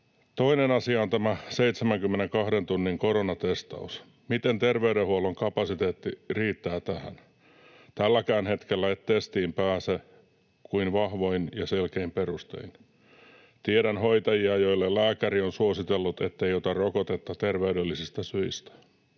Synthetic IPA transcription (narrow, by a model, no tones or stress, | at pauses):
t̪oinenɑsiɑont̪æmæseit̪semæŋkymːeneŋkɑhdent̪unːiŋkoɾonɑt̪est̪ɑ̰us | mit̪ent̪erʋeyɾehuoloŋkɑpɑsit̪eːt̪ːiriːt̪ːæːt̪æhæ̰n | t̪ælːækæːnhet̪kelːæet̪t̪ːest̪iːmpæːse | kuinʋɑhʋoinjɑselkeimperust̪ḛin | t̪ieɾænhoit̪ɑjiɑjoilːellæːkæɾionsuosit̪elːut̪et̪ːeiot̪ɑrokot̪et̪ːɑt̪erʋeydelːisist̪æsyist̪æ̥